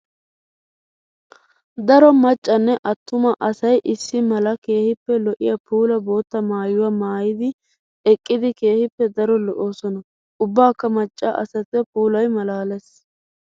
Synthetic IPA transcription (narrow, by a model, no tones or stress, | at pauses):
d̪ɐɾɔmɐt͡ʃʼːɐnːɛʔɐt̪ːʊmɐʔɐsɐjʔɪsːɪmɐlɐke̞ːhɪpːɛlɔʔɪ̰jɐpuːlɐbo̞ːt̪ːɐmaːjʊwamaːjɪd̪ɪ | ɛkʼːɪd̪ɪke̞ːhɪpːɛd̪ɐɾɔlɔʔo̞ːsɔnɐ | ʊbːaːkːɐmɐt͡ʃʼːaːʔɐsɐt̪ːɛpuːlɐjmɐlaːlɛs